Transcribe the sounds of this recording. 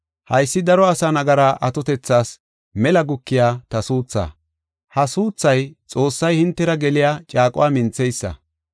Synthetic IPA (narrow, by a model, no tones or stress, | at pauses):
hɐjsːɪd̪ɐɾɔɐsanɐɡɐɾaʔɐt̪ɔt̪ɛt͡sːaːs | mɛlɐɡʊkːɪjaːt̪ɐsuːt͡sːa̰ː | hɐsuːt͡sːɐjt͡sʼo̞ːsːɐjhɪnt̪ːɛɾɐɡɛlɪjaːt͡ʃʼaːkʼʊ̰waːmɪnt͡sːɛjsːɐ̰